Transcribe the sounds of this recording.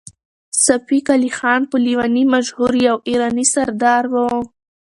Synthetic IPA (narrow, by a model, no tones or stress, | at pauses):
safikalixɑnpəliwanimaʃhuɾjawiɾɑnisaɾd̪ɑɾwə